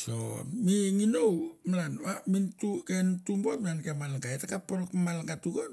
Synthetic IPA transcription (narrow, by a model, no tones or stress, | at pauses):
so̰miŋinowmalanwamintukentumbomiankemalɡaetakapoɾkmalɡatuɡo